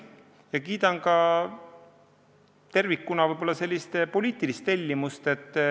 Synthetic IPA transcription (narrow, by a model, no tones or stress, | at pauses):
jɑkiːt̪ɑnkɑ | t̪e̞rvikːunɑvɯjbo̞lːɑse̞lʲːist̪epo̞lʲiːt̪ˑilist̪elʲːimust̪e̞t̪ː